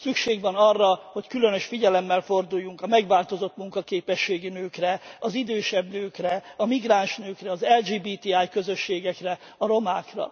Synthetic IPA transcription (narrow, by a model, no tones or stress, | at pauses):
sykʃeːɡʋɒnɒrːɒho̞ckylønø̞ʃfiɟɛlɛmːɛlfo̞rd̪ujːuŋkɒmɛɡʋaːlt̪o̞zo̞t̪muŋkɒkeːpɛʃːeːɡinøːkrɛɒzid̪øːʃɛbnøːkrɛɒmiɡraːnʃnøːkrɛɒzɛld͡ʒiːbiːt̪iaːjkø̞zøʃːeːɡɛkrɛ | ɒɾo̞maːkrɒ̰